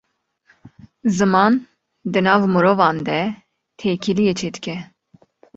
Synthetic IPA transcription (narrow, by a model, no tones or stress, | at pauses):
zɨmɑːn | d̪ɨnɑːvmɨɾoːvɑːnd̪ɛ | t̪ʰeːkʰilijet͡ʃʰeːd̪ɨ̥kʰʲɛ